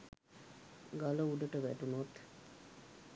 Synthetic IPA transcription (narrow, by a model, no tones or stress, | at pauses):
ɡaləuɖ̪əʈəʋæ̰ʈunot̪